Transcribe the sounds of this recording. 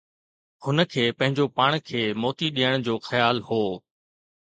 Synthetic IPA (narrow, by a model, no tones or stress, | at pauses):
hʊnə̆kʰeːpɐ̃ɦɪ̃ɲd͡ʑopaːɽ̃kʰeːmɔːt̪iɗijəɽ̃d͡ʑoːxɐjaːlhoː